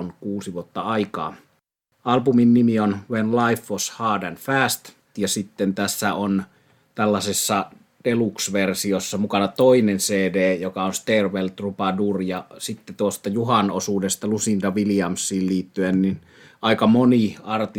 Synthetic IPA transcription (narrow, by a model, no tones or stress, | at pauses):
onkuːsiʋuot̪ːɑɑikɑ̰ː | ɑlpuminnimionʋenlɑifːoshɑːdænfæːst̪ | jɑsit̪ːent̪æsːæon | t̪ælːɑsesːɑ | d̥eluksʋersiosːɑmukɑnɑt̪oinenseːdeːjokɑonst̪erʋelt̪rupɑdurjɑsit̪ːet̪uost̪ɑjuɦɑnosuːdest̪ɑlusind̪ɑʋiliɑmsːˑiːlliːt̪ːyennin | ʔɑikɑmoniɑrt̪i